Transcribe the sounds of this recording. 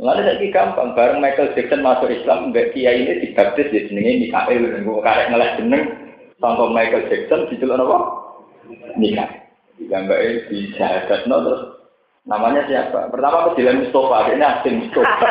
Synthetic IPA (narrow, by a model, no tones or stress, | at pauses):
lanesaʔikikampa̰ŋb̥aɾəŋmaikəld͡ʒ̥ɛk̚sənmasʊʔislamŋbɛʔkijainɪd̪̥i̤b̥a̤p̚t̪ɪsd̪ed̪̥ənəŋenika̰ʔɪldankukaɾɛʔŋəlɛhd̥ə̤nəŋsɔŋkɔmaikəld͡ʒ̥ɛk̚sənd̪̥i̤t͡ʃulʔnɔpɔ | nika̰ʔɪ | d̪iɡambaʔed̪̥i̥d͡ʒ̥aɦad̪̥a̤t̪̚nɔt̪ɾʊs | namaɲasijapa̰pərt̪amakud̪̥i̤lanmist̪ofakeʔneasɪlmist̪ofa